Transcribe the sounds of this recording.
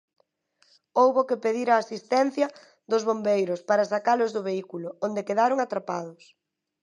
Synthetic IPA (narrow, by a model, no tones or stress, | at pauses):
owβokepeðiɾaːsist̪ɛn̟θjɐ | ðʊzβombejɾʊspaɾɐsakalʊzðʊβeikulʊond̪ekeðaɾʊŋat̪ɾapaðʊs